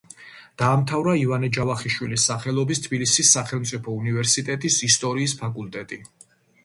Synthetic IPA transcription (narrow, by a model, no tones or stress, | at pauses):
d̪̥aːmt̪ʰavɾaivanɛd͡ʒavaχiʃwilisːaχɛlˠɔbist̪ʰbilisisːaχɛlˠmt̪sʼipʰɔunivɛɾsit̪ʼɛt̪ʼisist̪ʼɔɾiːspʰakʼult̪ʼɛt̪ʼi